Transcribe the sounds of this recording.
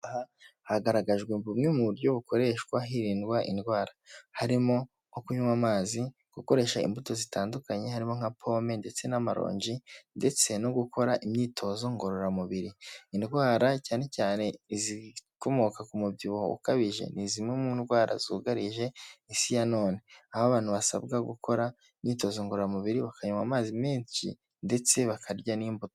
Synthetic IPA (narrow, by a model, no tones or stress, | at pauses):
ahahaɡaɾaɡaʒɡwebumŋemuβuɾjoβuko̞ɾe̞ʃkwaɦiɾiːnɡwaʔḭndɡwaːɾahaɾimo̞ | okuɲumamaːzi | ɡ̥uko̞ɾe̞ːʃaḭmbuto̞zitaːndukaɲe̞haɾimo̞ŋ̥apʰo̞ːme̞nde̞t͡se̞namaɾo̰ːɲɟinde̞t͡se̞noɡukʰo̞ɾaʔimɲiːtʰo̞ːzo̞ŋɡo̞ɾo̞ɾamuβiɾiːndɡwaːɾacaːne̞caːne̞ziko̞mokakumubɟiβoṵkaβiʒe̞̰nizimemundɡwaːɾa̰zuɡaɾiʒe̞isijano̞ːne̞ahoaβaːn̥huβasa̰bɡaɡukʰo̞ɾa | imɲiːto̞ːzoŋɡoɾoɾamuβiɾiβakaɲumamaːzimeːɲt͡ʃḭ | nde̞t͡se̞βakʰaɾɟaniːmbuto